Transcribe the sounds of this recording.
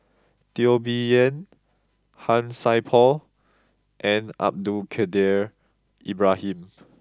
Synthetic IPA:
t̪iobiə̃n | hãnsajpʰɔl | ʔɛ̃na̰p̚dukʰɛdɛɹ | ʔibɹahĩm

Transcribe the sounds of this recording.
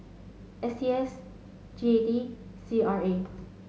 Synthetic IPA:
ʔɛsiɛs | d͡ʒiedisiaɹe

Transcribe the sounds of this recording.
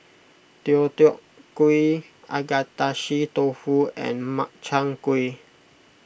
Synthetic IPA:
t̪iot̪ioʔ | kui | a̰ɡat̪aʃit̪ofuɛ̰nmaʔt͡ʃaŋkui

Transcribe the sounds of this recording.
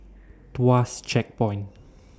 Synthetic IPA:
t̪wast͡ʃɛk̚pɔjn

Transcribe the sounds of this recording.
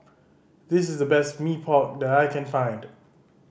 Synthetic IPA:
ðɪsɪsdəbɛstmipʰɔk̚d̪ɛtajkʰɛ̃nfãɪ̃nd

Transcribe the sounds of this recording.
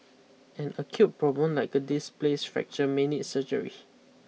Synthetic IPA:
ɛ̃nəkʰjut̚pɹɔblə̃mlaɪkədisplesfɛ̰k̚t͡ʃəmẽnitsəd͡ʒə̰ɹḭ

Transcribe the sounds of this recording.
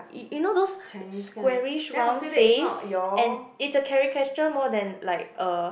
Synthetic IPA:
junodosskwɛɹiʃɹãnfesɛ̃nitsəkʰɛɹikɛt͡ʃəmɔdɛ̃nlaɪk̚ə

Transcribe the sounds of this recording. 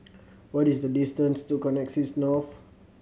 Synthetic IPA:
wɔtisdədistə̃nstukɔnɛksisnɔf

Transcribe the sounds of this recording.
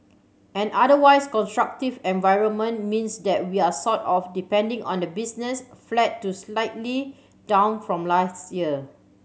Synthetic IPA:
ɛ̃nadəwaɪskɔ̃nstɹak̚tivɛ̃nvaɪɹə̃nmə̃nmĩnsdɛt̚wiasɔtɔfdipɛ̃ndɪ̃ŋɔ̰̃ndəbisnɛsflɛt̚tːuslaɪtli | d̥ãʊ̃nfɹɔ̃mlastjiə

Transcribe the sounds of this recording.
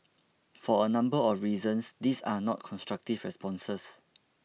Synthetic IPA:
fɔənãmbəɔfɹiːzə̃nsd̪isanɔ̰t̚kʰɔ̃nstɹak̚tivɹɛspɔ̃nsəs

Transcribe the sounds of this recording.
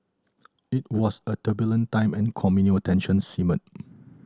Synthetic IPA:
it̚wɔsətʰəbjələ̃ntãɪ̃mɛ̃nkʰɔmunotʰɛ̃nʃə̃nsimə̰̃n

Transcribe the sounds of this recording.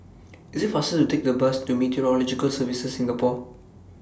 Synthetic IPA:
isitfasətutek̚dəbəstumitʰiɔɹɔlɔd͡ʒikəlsəvisəsːĩŋɡəpɔ

